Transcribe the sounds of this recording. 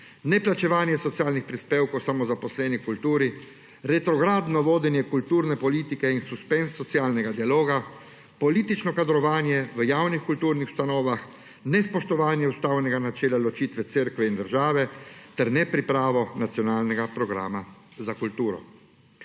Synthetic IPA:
nɛplat͡ʃɛʋaːnjɛsɔtsjaːlnixpɾispeːwkɔwsamɔzapɔslɛːnikult̪uːɾi | ɾɛt̪ɾɔɡɾaːd̪nɔʋoːd̪ɛnjɛkult̪uːɾnɛpɔliːt̪ikɛinsuspɛnsːɔt̪sjaːlnɛɡad̪ialoːɡa | pɔliːt̪it͡ʃnɔkad̪ɾɔʋaːnjɛʋəjaːwnixkult̪uːɾnixw̥st̪anɔːʋax | nɛspɔʃt̪ɔʋaːnjɛust̪aːwnɛɡanat͡ʃɛːlalɔt͡ʃiːt̪ʋɛt̪seɾkʋɛind̪əɾʒaːʋɛt̪ɛɾnɛpɾipɾaːʋɔnat̪sjɔnaːlnɛɡapɾɔɡɾa̰ːmazakult̪uːɾɔ̰

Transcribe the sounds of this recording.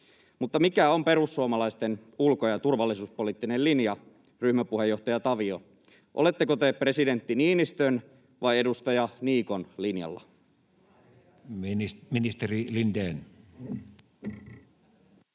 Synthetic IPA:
mut̪ːɑmikæo̞mpe̞ɾusːuomɑlɑist̪enulkojɑt̪urʋɑlːisuːspolit̪ːinelinjɑ | ryhmæpuhe̞jo̞ht̪ɑjɑt̪ɑʋio | ʔole̞t̪ːekot̪epre̞side̞nt̪ːiniːnist̪øn | ʋɑje̞dust̪ɑjɑniːko̞nlinjɑ̰lːɑ̰ | minist̪erilind̪eːn

